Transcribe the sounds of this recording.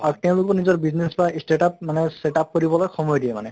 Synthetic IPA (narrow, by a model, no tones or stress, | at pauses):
ak̚tẽʊ̃lʊkbɔnizɔɹbiznesbaisteʈapmanɛseʈap̚koɹibɔlojxɔmɔjdiɛma̰nɛ